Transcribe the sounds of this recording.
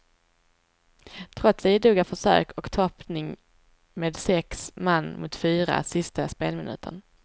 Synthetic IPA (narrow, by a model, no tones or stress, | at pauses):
t̪ʰɾɔt̪sɛjd̪uːɡafœʂø̰ːkʰɔkt̪ʰɔpnɪŋ | meːd̪sɛksmanːmʔʊt̪fyːɾa̰sɪst̪aspeːlmɪnʉ̟̰ːt̪ʰə̰ɳ